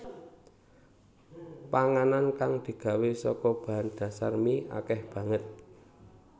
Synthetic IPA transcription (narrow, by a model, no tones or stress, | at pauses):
paŋanankaŋd̪̥i̤ɡ̥a̤wesɔ̰kɔb̥a̤ɦand̪̥a̤sa̰rmiʔa̰kɛhb̥ä̤ŋət̪̚